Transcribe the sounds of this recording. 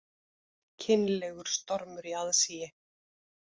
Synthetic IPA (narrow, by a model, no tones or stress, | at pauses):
cʰɪnlɛɣʏɾ̥st̪ɔɾmʏɾiaðsiːjɪ